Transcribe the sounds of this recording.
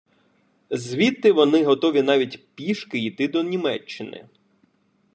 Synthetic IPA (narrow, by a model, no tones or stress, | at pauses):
zʲʋʲit̪ːɪʋɔnɪɦɔt̪ɔʋʲinɑʋʲitʲpʲiʃkɪjt̪ɪd̪ɔnʲimɛt͡ʃːɪnɪ̰